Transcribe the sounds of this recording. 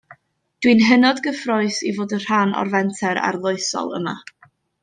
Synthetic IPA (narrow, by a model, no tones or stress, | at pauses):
d̥winɦənɔdɡəfrɔɨsḭvoːdər̥anɔ̰rvɛntʰɛɾa̰rlˠoɨsɔ̰lˠə̰ma̰